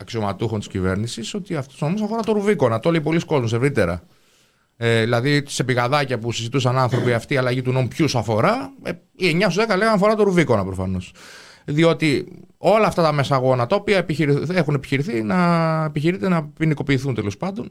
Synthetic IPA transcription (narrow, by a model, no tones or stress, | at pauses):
ɐksio̞mɐt̪uxont̪i̥scive̞̰ɾnisiso̞t̪iɐft̪u̥sunomusɐfoɾɐt̪oɾuviko̞nɐt̪o̞leipo̞lisko̞zmuse̞vɾit̪e̞ɾɐ̰ | eðilɐðise̞piɣɐðɐcɐpusizit̪usɐnɐnθɾo̞piɐft̪iːɐlɐʝit̪uno̞mupçusɐfo̞ɾɐe | ieɲɐsuðekɐleɣɐnɐfo̞ɾɐt̪oɾuvikonɐpɾo̞fɐno̞s | ðio̞t̪i | o̞lɐːft̪ɐt̪ɐme̞sɐːɣo̞nɐt̪ɐopiɐepiçiɾie̞xune̞pi̥çiɾiθinɐepiçiɾit̪enɐpiniko̞piːθunt̪elo̞spɐnd̪o̞n